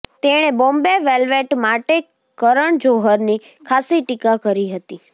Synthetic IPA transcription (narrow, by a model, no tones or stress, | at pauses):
t̪eɽ̃ebɔ̃mbeʋelʋeʈmaʈe | kəɾəɳd͡ʒoɦəɾni | kʰasiʈikakəɾiɦət̪i